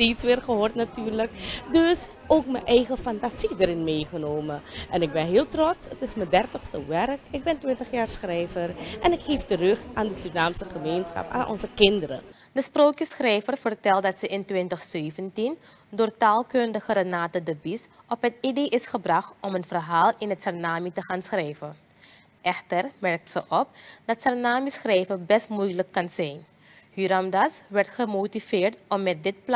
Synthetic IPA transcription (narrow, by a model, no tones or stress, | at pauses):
teːtsʋɪːrχəɦoːrtnatyːrləkdɵs | oːkməʔɛjχəfantazidəɾɪnmeːχənoːməʔɛnɪk̚bɛnɦeːlˠtrɔtsətɪsmədɛrtəxstəʋɛrkɪk̚bɛntʋɪntəχjaːrsxrɛjvərʔɛnɪkheːftərøxtaːndəsynaːmsəχəmeːnsxɑ̰pa̰ːnʔɔ̰nzəkɪndəɾə̰ | dəsproːkəsxrɛjvərfərtɛlˠt̚dɑtsəʔɪntʋɪntəxsøːvəntin | doːrtaːlˠkɵndəχəɾənaːtədəbisʔɔpɦətidejʔɪsχəbrɑχtɔmənvərɦaːlˠɪnətsɛrnaːmitəχaːnsxrɛjvə | ʔɛxtərmɛrk̚tsəʔɔp̚dɑtsɛrnaːmisxrɛjvərbɛstmujləkːɑnz̥ɛjn | hyɾɑmdɑsʋɛrtχəmowtiv̥ɪːɹtɔmːɛt̚dɪt̚p